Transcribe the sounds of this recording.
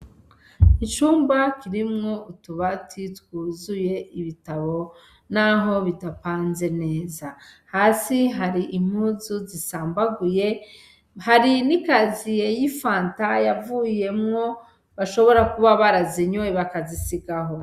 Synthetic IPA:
it͡ʃuːmbakiɾimŋo̞utuβatʰitwuːzuje̞ʔiβitaβo̞ | naɦo̞βidapaːnze̞ne̞ːzahaːsiɦaɾiʔim̥huzuzisaːmbaɡuje | haɾinikazijejifaːntajavuje̞mŋo̞ | βaʃo̞βo̞ɾakuβaβaɾaziɲueβakazisiɡaɦo̞

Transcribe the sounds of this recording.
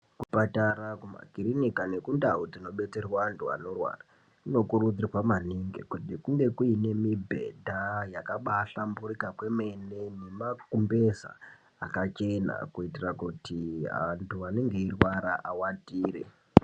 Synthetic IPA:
kupatarakuma̰kiɾinikane̞kundaud͡zino̞ɓe̞t͡se̞rwaːntʰua̰no̞rwa̰ra | kuno̞kurud͡zirwamaniŋɡḛkutikuŋɡe̞kuine̞mibʱe̞̰dʱajakaɓaɬamburikakwe̞me̞nene̞makumbe̞za̰ | a̰kat͡ʃe̞na̰kuitirakutia̰ntʰuaneŋɡe̞irwaɾa̰ʔawadiːɾḛ

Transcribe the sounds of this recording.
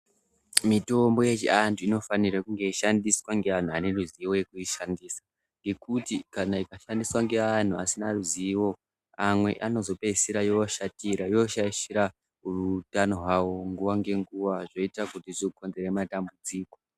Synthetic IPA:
mito̞mbo̞je̞t͡ʃḭantʰuino̞fanirakuŋɡe̞iʃandiswaŋɡe̞ʋan̤uane̞ruziwo̞je̞kuiʃandisḁ | ŋɡe̞kutikanaikaʃandiswaŋɡe̞ʋan̤uasinaruziwo̞ | amwe̞̰ʔano̞zo̞pesiɾajoʃatiɾajo̞ʃaiʃiɾa | urutanoɦwawo̞ŋɡuʋaŋɡe̞ŋɡuʋaʐo̞itakutiʐiko̞nze̞ɾematambud͡ziːko̞

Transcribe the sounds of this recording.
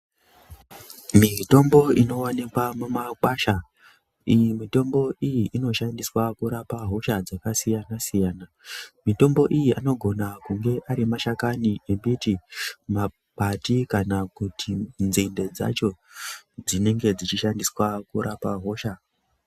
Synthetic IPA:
mito̞mbo̞ino̞wanikwamumakwaʃa | ijimito̞mbo̞ijiʔino̞ʃandiswakuɾapaɦo̞ʃad͡zakasijanasijaːna | mito̞mbo̞ʔijiano̞ɡʱo̞nakuŋɡe̞ʔaɾimaʃakaniʔembitima | patikanakutʰinzinde̞d͡za̰t͡ʃo̞d͡zine̞ŋɡe̞d͡zit͡ʃiʃandiswakuɾʔapaɦo̞ʃa

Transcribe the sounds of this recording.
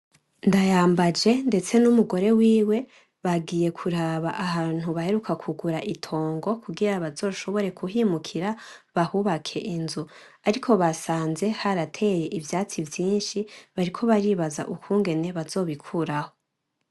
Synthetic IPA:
ndajaːmbad͡ʒe̞nde̞t͡se̞numuɡo̞ɾe̞wiːwe̞ | βaɡije̞kʰuɾaβaʔaɦaːn̥huβahe̞ɾukʰakʰuɡuɾaʔitʰo̞ːŋɡo̞kʰuɡiɾaβazo̞ːʃo̞βo̞ɾe̞kʰuɦimukʰiɾaβahuβakʰe̞ʔinzu | aɾikʰo̞βasaːnze̞haɾatʰe̞je̞ʔivjaːt͡sivjiːnʃiβaɾikʰo̞βaɾiːβaza̰ʔukuːŋɡe̞ne̞βazo̞ːβikʰuɾaho̞

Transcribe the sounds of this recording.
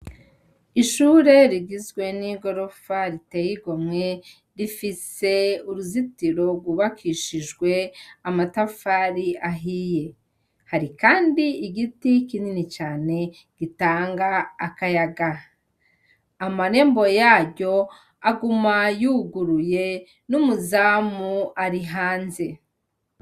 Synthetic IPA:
iʃuːɾe̞ɾiɡizɡwe̞niɡo̞ɾo̞faɾitejiɡomŋe̞ | ɾifise̞uɾuzitiɾo̞ɡwuβakʰiːʃiʒɡwe̞amatafaːɾiaɦije̞ | haɾikaːndiːɡitikininit͡ʃaːne̞ | ɡ̥itaːŋɡaːkajaɡa | amaɾe̞ːmbo̞jaːɟo̞ | aɡumajuɡuɾuje̞ | numuzaːmuaɾiɦaːnze̞

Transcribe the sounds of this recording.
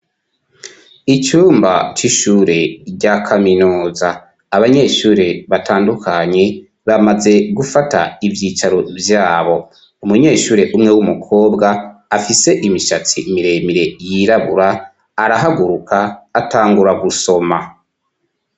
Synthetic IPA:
it͡ʃuːmbat͡ʃiʃuːɾe̞ɟakʰaminuːzaː | βaɲe̞ːʃuːɾeβatʰaːndukʰaɲe̞ | βamaze̞ɡufata̰ivjiːt͡ʃaɾovjaːβo̞ | umuɲe̞ːʃuːɾe̞ʔumŋewumukʰo̞ːbɡaːfise̞ʔimiʃat͡simiɾe̞ːmiɾe̞jiɾaβṵɾaː | ɾaɦaɡuɾukʰaːtaːŋɡuɾaɡuso̞ma

